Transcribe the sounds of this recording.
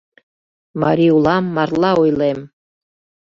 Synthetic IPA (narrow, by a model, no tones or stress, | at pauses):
mɑ̰ɾʲiulˠɑmːɑrlˠɑujlˠem